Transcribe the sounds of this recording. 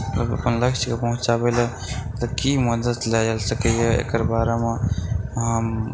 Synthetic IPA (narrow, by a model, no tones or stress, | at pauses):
əbə̰pənləkʃkepəɦũt͡ʃabele | t̪əkiməd̪ət̪led͡ʒəlsəkəɦeḛkəɾbaːɾeme | ɦəm